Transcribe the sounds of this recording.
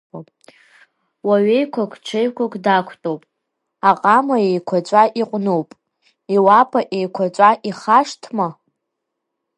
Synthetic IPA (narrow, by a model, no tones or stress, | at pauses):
waɥejkʷʰakʷʰʼt͡ʃʷʰejkʷʰakʷʼdakʷʰtʼowpʼ | aqʼamaejkʷʰat͡ʃʷʼaʔiqʷʼnuwpʼ | iwapʰʼaʔejkʷʰat͡ʃʷʼaʔiχaʂtʰma